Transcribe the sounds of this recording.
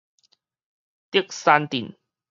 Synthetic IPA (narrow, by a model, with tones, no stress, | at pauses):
t̪i˥˩ək̚sa˧nt̪i˨˩n